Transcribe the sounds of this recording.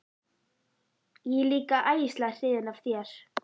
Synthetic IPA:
jɛɣliːkaʔaːjst̪lḁr̥ɪːðɪnavθjɛɾ̥

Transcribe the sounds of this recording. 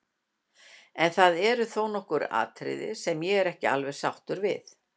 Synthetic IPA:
ɛnθaðɛɾʏθownɔhkʏɾa̰ːt̪ʰɾɪ̰ðɪ̰sɛmjɛɣɛɾɛhcɪa̰lvɛɾ̥sawht̪ʏɾvɪ̰θ

